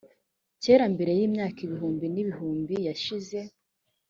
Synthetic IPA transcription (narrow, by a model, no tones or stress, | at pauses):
teɾambe̞ɾe̞jiːmɲaːkiβiɦuːmbiniβihuːmbijaʃize̞